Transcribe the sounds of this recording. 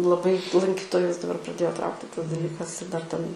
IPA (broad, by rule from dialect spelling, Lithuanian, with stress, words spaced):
lˠɐˈbɐɪ lˠɐŋʲˈkʲiːtoːjʊs dɐˈbɐr prɐˈdʲeːjoː ˈtrɐʊktʲɪ tɐs dɐˈlʲiːkɐs ɪr dɐr tʲɛn